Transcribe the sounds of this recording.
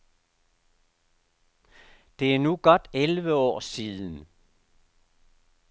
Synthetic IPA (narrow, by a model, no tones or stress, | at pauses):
d̪̥e̝æɐnuːɡ̥ɒd̥elʋəɒ̰ːsiːðˠən̩